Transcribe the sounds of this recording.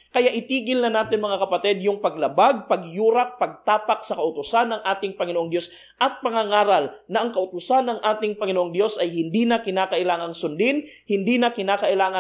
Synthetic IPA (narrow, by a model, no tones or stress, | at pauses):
kɐjaʔɪt̪iːɡɪlnɐnaːt̪ɪnmɐŋakɐpɐt̪ɛd̪̚jʊŋpɐɡlɐbaɡ̚pɐɡjuːɾak̚pɐɡ̚t̪aːpak̚sɐkɐʔʊt̪ʊsanːɐŋʔaːt̪ɪŋpɐŋɪnoʔoŋd̪jo̞s | ʔɐt̪̚pɐŋaŋaːɾalnɐʔɐŋkɐʔʊt̪ʊsanːɐŋʔaːt̪ɪŋpɐŋɪnoʔoŋd̪jo̞sʔɐjhɪnd̪iːnɐkɪnaːkɐʔɪlaːŋɐŋsʊnd̪ɪnhɪnd̪iːnɐkɪnaːkɐʔɪlaːŋɐ